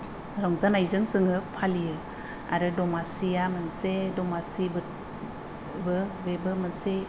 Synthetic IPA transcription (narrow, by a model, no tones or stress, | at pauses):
ɾaŋzanajzɯŋsɯŋɯpʰalijɯ | a̰ɾɯdɔmasijamɯnsedɔmasibɯ | bɯbebɯmɯnse